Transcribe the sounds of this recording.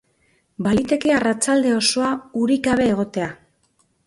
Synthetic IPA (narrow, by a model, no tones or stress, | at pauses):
balit̪e̞ke̞arat͡ʃald̪e̞o̞so̞auɾikaβ̞e̞ːɣ̞o̞t̪e̞a